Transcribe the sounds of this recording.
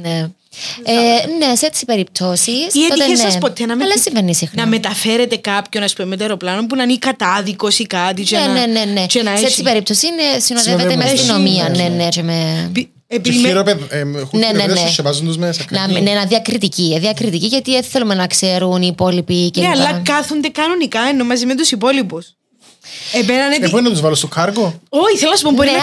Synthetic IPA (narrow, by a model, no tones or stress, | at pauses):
ne | eneseet̪ːsi̥pe̞ɾip̚t̪ʰo̞sisietot̪eɐspot̪enɐmɐlːɐsiɱvenːisixnɐmet̪ɐfeɾet̪ekɐpçonɐspumemet̪eɾoplɐnompunɐnikɐt̪ɐðikosikɐt̪it͡ʃeenene̞net͡ʃenɐseesiipe̞ɾip̚t̪osinesinoðeveemɐst̪ino̞miɐnenet͡ʃeme | epiimiɾopenenenesevɐzund̪uzmesɐnɐmnenɐðiɐkɾit̪iciðiɐkɾit̪iciʝɐt̪ieθelumenɐkseɾuniːpo̞lipiceeɐlːɐkɐθund̪ekɐnonikɐenomɐzimet̪usipo̞lipus | epenɐnet̪ipoɾinɐt̪uzvɐlost̪okʰɐɾɡooiθelɐnɐsupomboɾie